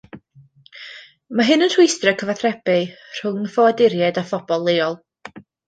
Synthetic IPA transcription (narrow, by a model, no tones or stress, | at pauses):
maɦɨnənr̥ʊjstrəkʰəvaθrɛbɪr̥ʊŋfɔwadɪɾjɛdafɔb̥ɔlˠːeːɔlˠ